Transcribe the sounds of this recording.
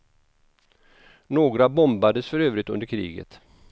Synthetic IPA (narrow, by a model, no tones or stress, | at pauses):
noːɡɾabɔmbad̪əsfœɾøːvɾɪt̪ɵ̰nd̪əɾkʰɾḭːɡə̰t̪